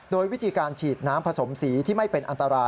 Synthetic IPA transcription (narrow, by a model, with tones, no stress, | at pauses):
doː˧jwi˦˥t̪ʰiː˧kaː˧nt͡ɕʰiː˨˩t̪̚naː˦˥mpʰa˧so˩˦msiː˩˦t̪ʰiː˥˩ma˥˩jpe˧nʔa˧nt̪a˧ɾaː˧